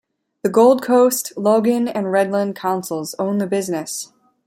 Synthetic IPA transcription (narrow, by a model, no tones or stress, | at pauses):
ðɨɡoʊlˠd̚kʰoʊstloʊɡɨ̃nɨ̃nɹɛdˡlə̃nkʰãʊ̃nsl̩ˠzõʊ̃nðɨbɪznɨs